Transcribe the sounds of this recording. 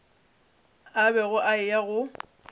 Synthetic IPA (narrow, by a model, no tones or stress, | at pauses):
abɛɣʊʔaɪjaɣʊ